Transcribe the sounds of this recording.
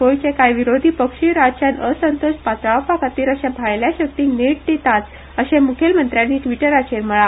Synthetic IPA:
kojt͡ɕẽkajʋiɾod̪ʱiːpəkʂiːɾat͡ɕanəsənt̪ospat̪ɾapakat̪iːɾəɕãbʱaɭljaɕək̚ʈ̪iŋɡneʈ̚d̪et̪at̪ | əɕẽmukʰelmənt̪ɾjanːiːʈʋiʈəɾat͡ɕeɾməɭa

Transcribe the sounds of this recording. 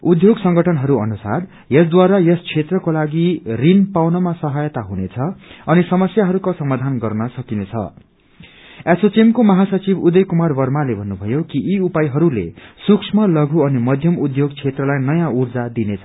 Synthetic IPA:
ud̪ʱjoɡsʌŋɡʌʈʰʌnɦʌɾuʌ̰nusa̰r | jʌsd̪waɾajʌst͡sʰet̪rʌkolaɡirinpawnʌmasʌɦʌjt̪aɦunet͡sʰʌʌnisʌmʌsjaɦʌɾukasʌmad̪ʱanɡʌrnʌsʌkinet͡sʰʌ̰ | esot͡simkomʌɦasʌt͡sibud̪ʌjkumarbʌrmalebʱʌnːubʱʌjokiʔːupajɦʌɾulḛsuksʰmʌlʌɡʱuʌnimʌd̪ʱjʌmud̪ʱjoɡt͡sʰet̪rʌlajnʌjãurd͡zad̪inet͡sʰʌ

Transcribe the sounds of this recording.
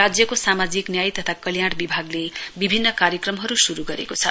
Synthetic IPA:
ad͡zjʌkosamad͡ziknjajt̪ʌt̪ʰakʌljaɽbibʱaɡlebibʱinːʌkaɾjʌkrʌmɦʌɾusuɾuɡʌɾḛkot͡sʰʌ

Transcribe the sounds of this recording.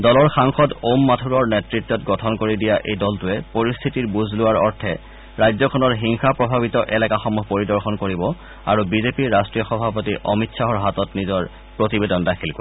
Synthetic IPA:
dɔlɔɹxaŋxɔtomːatʰuɹɔɹnetɹitːɔtɡɔtʰɔnkoɹidijaʔejdɔltʊɛpoɹist̪ʰitiɹbuzʱlʊwaɹɔɹtʰɛ | ɹajzɔkʰɔnɔɹɦiŋxapɹɔbʱaβitɔʔɛlakaxɔmuɦpoɹidɔɹxɔnkoɹibɔ | a̰ɹubizepiːastɹijɔxɔbʱap̬otiʔɔmitsaɦɔɹɦatɔtnizɔɹ | pɹotibedɔndakʰilko

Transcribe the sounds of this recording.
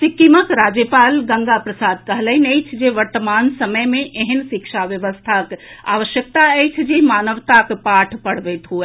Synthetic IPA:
sikiməkɾad͡ʒjəpalɡə̃ŋɡapɾəsad̪̚kəɦləjnət͡ʃʰd͡ʒeʋəɾt̪əmansəməjmẽʔeɦənsikʃʰaʋjəʋəst̪ʰaka̰ʋəʃjək̚t̪aəjt͡ʃʰd͡ʒemanəʋt̪akpaʈʰpəɽ̤bɛt̪ɦue

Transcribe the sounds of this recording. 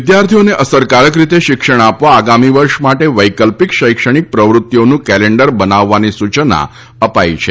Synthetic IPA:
d̪jaɾt̪ʰijoneʔəsəɾkaɾəkɾit̪eʃɪkʃəɳ̃apʋaːɡamiʋəɾʃmaʈeʋəjkəlpikʃəjkʃəɳ̃ik̚pɾəʋɾut̪ːjonũkɛleɳɖəɾbənaʋːanisut͡ʃna̰ | əpajit͡ʃʰe

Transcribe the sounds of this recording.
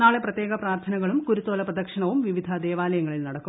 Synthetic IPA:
naːɭeprɐt̪jeːɡɐpraːrt̪ʰɐnɐɣɐɭumkuɾut̪ːoːlɐprɐd̪ɐkʂɐɳɐʋumʋiʋid̪ʱɐd̪eːʋaːlɐjɐŋːɐɭilnɐɽɐkkːu

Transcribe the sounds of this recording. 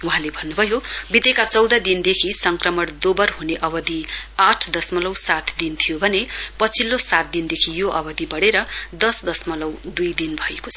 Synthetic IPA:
wuɦãlebʱʌnːubʱʌjobit̪ekat͡sʌwd̪ad̪ind̪ekʰisʌŋkrʌmʌɽd̪obʌrɦuneʔʌbʌd̪iaʈʰd̪ʌsmʌlʌwsat̪ʰd̪int̪ʰijobʱʌnepʌt͡sʰilːosat̪̚d̪ind̪ekʰijoʔʌbʌd̪ibʌɽeɾʌd̪ʌsd̪ʌsmʌlʌwd̪ujd̪inbʱʌjekot͡sʰʌ

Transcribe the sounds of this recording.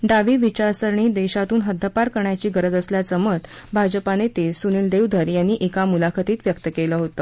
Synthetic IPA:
ɖaʋiːʋit͡ɕaɾsəɾɳiːd̪eɕat̪uːnɦəd̪ʱːəpaɾkəɾɳjat͡ɕiːɡəɾəd͡zəsljat͡səmət̪ | bʱad͡ʑəpanet̪esuniːld̪ewd̪ʱəɾjanːiːʔekamulakʰət̪iːt̪ʋjəkt̪əkeləɦot̪əː

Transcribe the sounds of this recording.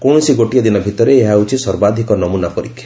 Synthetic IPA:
kɔ̃isiɡoʈijad̪inɔbʱit̪ɔɾeːɦaut͡ʃʰisɔɾbad̪ʱikɔnɔmunapɔɾikʰːja

